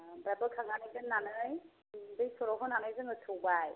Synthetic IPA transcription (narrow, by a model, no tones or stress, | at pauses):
bɾabɯkʰaŋanɯjzɯŋnːanɯj | bɯjsɔɾɔɦɔnanɯjzɯŋɯtʰubaj